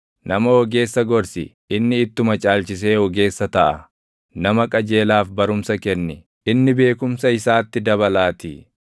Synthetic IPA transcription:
nɐmɐhɔɡe̞ːsːɐɡɔɾsɪ̰ | ɪnːɪːt̪ːʊmɐt͡ʃʼaːlt͡ʃɪs̬e̞ːwɔɡe̞ːsːɐt̪ɐʔɐ | nɐmɐkʼɐd͡ʒe̞ːlaːfbɐɾʊmsɐkɛnːɪ | ɪnːɪbe̞ːkʊmsɐɪsaːt̪ːɪd̪ɐbɐlaːt̪ɪ̰

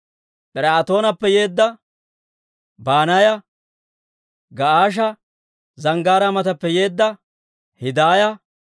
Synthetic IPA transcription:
pʼɪɾaːt̪o̞ːnɐpːɛjeːd̪ːɐ | baːnajɐ | ɡɐaːʃ̬ɐ | zɐŋɡaːɾɐmɐt̪ɐpːɛje̞ːd̪ːɐ | hɪd̪aːjɐ

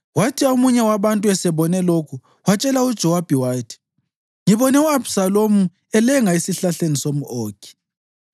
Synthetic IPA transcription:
watʰiaumuɲɛwaβantʼuɛsɛβɔnɛlokʰu | wat͡ʃʼɛlaud̥ʒ̥ʱɔwab̥ʱiwaːtʰi̥ | ŋiβɔnɛuabsalomu | ɛlɛŋaisiɬaɬenisomuoːkʰʼi̥

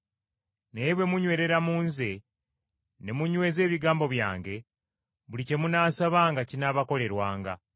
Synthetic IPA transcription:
ne̞βwe̞muɲwe̞ːɾe̞ɾamuːnze̞ | ne̞muɲwe̞ːze̞ːβiɡaːmbo̞βja̰ːŋɡe̞ | βulice̞munaːsaβaːŋɡacinaβako̞le̞ɾwaːŋɡa̰

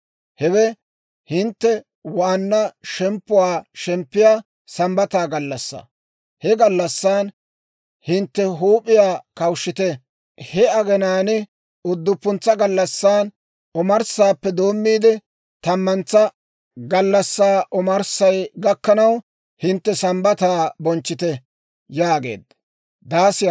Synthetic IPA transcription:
hɛwɛ | hɪnt̪ːɛ | waːnːɐʃɛmpːʊwaːʃɛmpːɪjaː | sɐmbɐt̪aːɡɐlːɐsːa̰ | hɛɡɐlːɐsːaːn | hɪnt̪ːɛɦuːpʼɪjaːkɐwʃːɪt̪ɛ | hɛɐɡɛnaːnɪ | ʊd̪ːʊpːʊnt͡sːɐɡɐlːɐsːaːn | ɔmɐɾsaːpːɛd̪o̞ːmːiːd̪ɛ | t̪ɐmːɐnt͡sːɐ | ɡɐlːɐsːaːʔɔmɐɾsɐjɡɐkːɐnɐw | hɪnt̪ːɛsɐmbɐt̪aːbɔnt͡ʃːɪt̪ɛ | jaːɡe̞̰ːd̪ | d̪aːsɪj

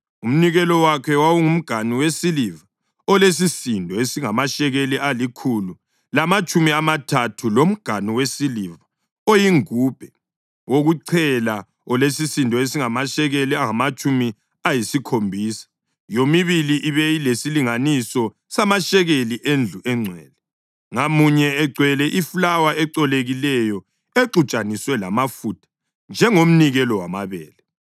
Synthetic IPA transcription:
um̩niɣɛlɔwakʰɛwawuŋum̩ɡ̥ʱaniwesiliva | ɔles̬isindʱɔesiŋamaʃɛɣeliʔalikʰulu | lamat͡ʃʼumiamatʰatʰulom̩ɡ̥ʱaniwesiliva | ojiŋub̥ʱɛ | woɣuǀʰɛla | ɔlesisindʱɔesiŋamaʃɛɣeliaŋamat͡ʃʼumi | ajisikʰombʱiːsḁ | jomiβiliʔiβɛilesiliŋanisɔ | samaʃɛɣeliʔend͡ɮʱuʔɛŋ͡ǀʱɛːlɛ | ŋamuɲɛɛɡ͡ǀʱwɛlɛʔifulawaʔɛǀɔleɣilɛjɔ | eǁut͡ʃʼaniswɛlamafutʰḁ | nd͡ʒʱɛŋom̩niɣɛlɔwamaβɛːlɛ

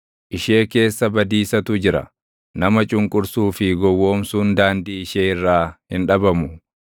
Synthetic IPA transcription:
ʔɪʃe̞ːke̞ːsːɐbɐd̪iːsɐt̪ʊd͡ʒɪɾɐ̰ | nɐmɐt͡ʃʼʊŋkʼʊɾsuːfɪɡɔwːo̞ːmsuːnd̪aːnd̪iːɪʃeːɪrːaːhɪnᶑɐbɐmʊ

